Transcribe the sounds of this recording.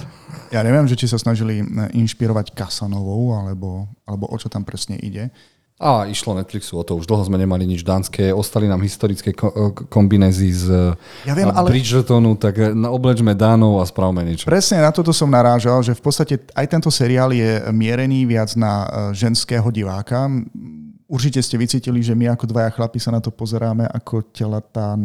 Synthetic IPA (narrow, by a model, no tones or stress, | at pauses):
jaːɲɛʋɪɛmʒɛt͡ʃis̬asnaʒiliʔinʃpiɾɔʋackasanɔʋɔʊalɛbɔalɛbɔʔɔt͡ʃɔt̪ampɾɛsɲɛ̰ʔḭɟɛ | ʔaiʃlɔnɛt̪fliksuɔt̪ɔuʒd̪l̩ˠɦɔzmɛɲɛmaliɲid͡ʒd̪aːnskɛɔst̪alinaːmɦist̪ɔɾit͡skɛkɔmbinɛːziz | jaʋɪɛmalɛpɾid͡ʒr̩t̪ɔnut̪akɔblɛd͡ʒmɛd̪aːnɔʊaspɾaʊmɛɲɛt͡ʃpɾɛsɲɛnat̪ɔt̪ɔsɔmnaɾaːʒalʒɛfpɔtst̪acɛ | ajt̪ɛnt̪ɔsɛɾiaːljɛmɪɛɾɛniːʋɪad͡znaʒɛnskɛːɦɔɟiʋaːka | uɾt͡ʃicɛscɛʋit͡siːciliʒɛmiakɔd̪ʋajaxlapisanat̪ɔpɔzɛɾaːmɛʔakʰɔcɛlat̪aː